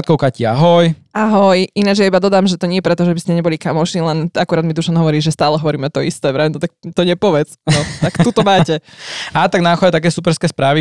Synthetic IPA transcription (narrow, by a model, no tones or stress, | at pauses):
t̪kɔʊkaciaɦɔjaɦɔjʔinad͡ʒɛjaibad̪ɔd̪aːmʒɛt̪ɔɲɪɛjɛpɾɛt̪ɔʒɛbiscɛɲɛbɔlikamɔʊʃnilɛnakuɾaːd̪mid̪uʃanɦɔʋɔɾiːʒɛst̪aːlɛɦɔʋɔɾiːmɛt̪ɔist̪ɛːʋɾɛnɔt̪akt̪ɔɲɛpɔʋɛt͡snɔt̪akt̪ut̪ɔmaːcɛat̪aɡnauxɔɛt̪akɛːsupɛɾskɛːspɾaːʋi